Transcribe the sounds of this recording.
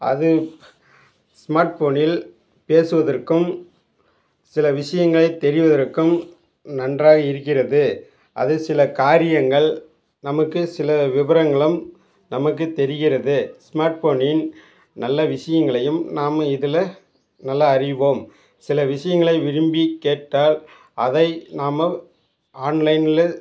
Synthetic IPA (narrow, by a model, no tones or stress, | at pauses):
ʔɐ̰ðɯ | smaːɾʈfoːnɪl | peːsɯʋɐðɐrkːɯm | sɪlɐʋɪʂɐjɐŋɡɐɭɐɪt̪ːɛɾɪʋɐðɐrkːɯm | nɐndraːɣɐɪɾɯkːɪrɐðɯ | ʔɐðɯsɪlɐkaːɾɪjɐŋɡɐɭ | nɐmɐkːɯsɪlɐʋɪʋɐɾɐŋɡɐɭɯm | nɐmɐk̬ːɯt̪ːɛɾɪɣɪrɐðɯsmaːɾʈfoːnɪn | nɐlːɐʋɪʂɐjɐŋɡɐɭɐjɯmnaːmɪðɪlɐ | nɐlːɐːrɪʋoːm | sɪlɐʋɪʂɐjɐŋɡɐɭɐɪʋɪɾɯmbikeːʈːaːl | ʔɐðɐɪnaːmɐ | aːnlɐɪnɪlɐ